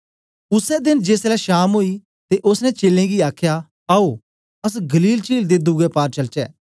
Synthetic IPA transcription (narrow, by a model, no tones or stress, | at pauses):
ʊsɛd̪ɪnd͡ʒeːslɛʃaːmɦoːi | t̪eʔʊsnɛ̃t͡ʃeːlẽɡiaːkʰja | ao | ɐs̬ɡɐliːlt͡ʃiːld̪ed̪ʊɡɛpaːɾt͡ʃɐlt͡ʃɛ̰ː